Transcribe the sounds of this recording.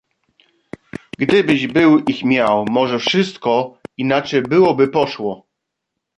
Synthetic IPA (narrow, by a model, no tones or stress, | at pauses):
ɡd̪ɘbɘʑbɘwixmʲjawmɔʐɛfʂɘst̪kɔinat͡ʂɛjbɘwɔbɘpɔʂwɔ